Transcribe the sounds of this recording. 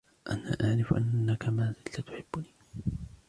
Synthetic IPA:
ʔa̰na̰ːʔaʕɾɪfʔa̰nːakamaːzlat̪ʊ̥ħɪbːʊniː

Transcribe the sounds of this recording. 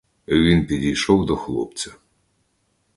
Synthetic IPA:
ʋʲinpʲidʲijʃɔwd̪ɔxlˠɔ̰p̚t͡sʲɐ

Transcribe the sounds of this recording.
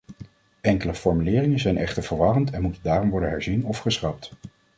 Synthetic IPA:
ɛŋkələfɔɹmylɪːrɪŋəzɛjnʔɛχtəɹvəɹʋɑrəntɛnmutəndaːrɔmʋɔɹdənɦɛɹzinɔfχəsχɑp̚t

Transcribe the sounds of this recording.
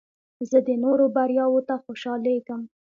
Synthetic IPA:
zəd̪ənoɾobaɾjɑwot̪axoʃɑleɡəm

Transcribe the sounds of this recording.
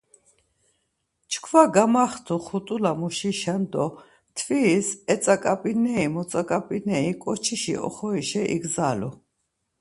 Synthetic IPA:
t͡ʃʰkʰvaɡamaχt̪ʰuχut̪ʼulamuʃiʃand̪ɔ | t̪ʰvisɛt̪t͡s̪ʼakʼapʼinɛimɔt͡s̪ʼakʼapʼinɛikʼɔt͡ʃʰiʃḭʔɔ̰χɔiʃɛʔḭɡzalɔ

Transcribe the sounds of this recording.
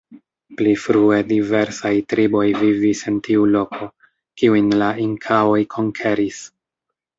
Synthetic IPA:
plifɾue̞dive̞ɾsajtɾibo̞jvivise̞ntiulo̞kʰo̞ | kiujnlaiŋkʰao̞jkʰo̞ŋkʰe̞ɾis

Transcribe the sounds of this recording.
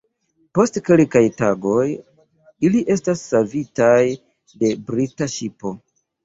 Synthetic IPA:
po̞stke̞lkajtaɡo̞j | iliʔe̞stasːavitaj | de̞bɾitaʃipo̞

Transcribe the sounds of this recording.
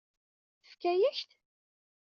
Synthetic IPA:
əfkæjæçt̪

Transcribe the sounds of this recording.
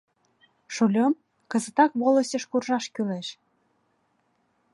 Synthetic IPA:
ʃulʲom | kə̆zə̆t̪ɑkβoləsʲəʃkurʒɑʃkyleʃ

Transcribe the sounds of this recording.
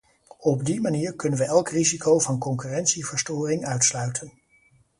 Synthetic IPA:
ɔbdimaniːɹkɵnənʋəʔɛlˠkrizikʰowvɑnkɔŋkyːrɛntsivəɹstoːrɪŋœɥtslœɥtʰən

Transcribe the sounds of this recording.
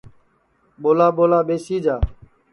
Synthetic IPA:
ɓoːlaːɓoːlaːɓeːsiːd͡ʒaː

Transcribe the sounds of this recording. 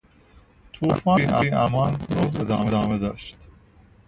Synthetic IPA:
t̪ʰuːfɑːiʔæiʔæ̰mɒːnnoed̪ɑ̰ːmed̪ɒːmed̪ɒːʃt̪

